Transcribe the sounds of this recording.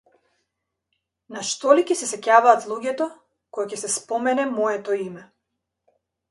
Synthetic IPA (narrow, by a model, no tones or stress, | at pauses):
naʃt̪ɔlicɛsɛsɛcavaːt̪lˠuɟʲɛt̪ɔ | kɔjacɛsɛspɔmɛnɛmɔjɛt̪ɔimɛ